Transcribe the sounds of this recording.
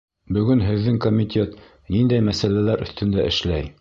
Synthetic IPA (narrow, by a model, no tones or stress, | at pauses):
bɵ̆ɡɵnɦɘ̆ðːɘŋkomʲit̪ʲʰe̞t̪ | nind̪æjmæsælælæɾɵ̆θt̪ɘ̆nd̪æʔɘ̆ʃlæj